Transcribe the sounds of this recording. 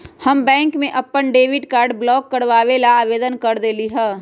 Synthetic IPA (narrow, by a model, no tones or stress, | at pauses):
həmbɛ̃ːŋkmẽʔɐpːənɖeːʋɪʈkaːɾɖblɔːkːəɾʋaːʋelaːʋeːd̪ənkəɾd̪eːliɦɛː